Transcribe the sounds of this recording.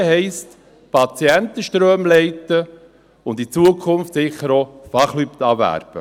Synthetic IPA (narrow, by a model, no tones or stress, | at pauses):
ɦɛɪst | pʰɑt͡siɛntəʃtɾøːmlɛɪtə | ʊnd̪it͡suəkʰχʊnftsɪχəɾofɑχlypt̪ɑːvæ̰ːɾb̥ə̰